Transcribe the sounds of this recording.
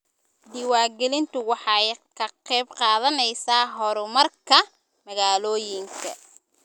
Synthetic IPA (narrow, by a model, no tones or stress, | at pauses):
d̪ɪwaːɡɛlɪnt̪ʰʊwɑħɑjkʰɐqɛjbqɑːðɐnɛjsaːɦɔɾʊmɐrkʰɐ | mɐɣaːlɔːjɪŋkʰɐ̰